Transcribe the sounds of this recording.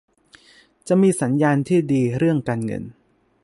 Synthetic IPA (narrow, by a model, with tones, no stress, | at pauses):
t͡ɕa˨˩miː˧sa˩˦njaː˧nt̪ʰiː˥˩diː˧ɾɯ˥˩əŋkaː˧nŋɤ̰˧n